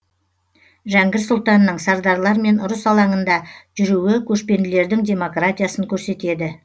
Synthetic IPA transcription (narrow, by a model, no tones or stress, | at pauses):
ʒæŋɡʲɪɾsʊlˠt̪ɑnːəɴsɑɾd̪ɑɾlˠɑɾme̞nʊɾəsɑlˠɑɴənd̪ɑʒ̥ʏɾuwɪkʲʰɵʃpe̞nd̪ɪle̞ɾd̪ɪŋd̪ʲe̞mo̞krat̪ʲijasəŋkʲʰɵɾse̞t̪e̞d̪ɪ